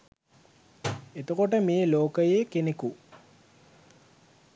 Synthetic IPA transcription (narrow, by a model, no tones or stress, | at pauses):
et̪okoʈəmeːloːkəjeːkeneku